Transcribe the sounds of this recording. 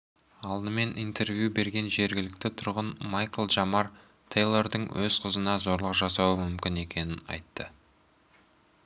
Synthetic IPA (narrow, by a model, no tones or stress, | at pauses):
ɑlˠd̪əme̞nʔijnt̪e̞rvʲjube̞ɾɡʲe̞nʒe̞ɾɡʲɪlɪk̚t̪ɪt̪ʰʊɾʁənmɑjkəlˠʒɑmɑr | t̪ʰejlˠoɾd̪əɴwʔɵzqʰəzənɑzo̞ɾlˠəqʒɑsɑwəmʏmkʲɪne̞kʲe̞nɪnɑ̰jt̪ːə